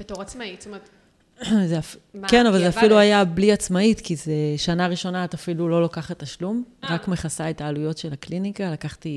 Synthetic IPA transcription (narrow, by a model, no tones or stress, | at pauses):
betoʁamai | zeafkenavalzeaffiluajabliat͡smaitkizeʃanaʁiʃo̞naːtafilulo̞lokaχat̪ːaʃlumʁakme̞χasaetaːlujo̞tʃe̞laklinikalakaχti